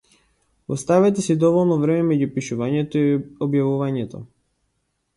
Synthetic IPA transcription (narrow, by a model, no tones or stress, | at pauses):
ɔst̪avɛt̪ɛsid̪ɔvɔlˠnɔvɾɛmɛmɛɟupiʃuvaɲɛt̪ɔiɔbjavuvaɲɛt̪ɔ̰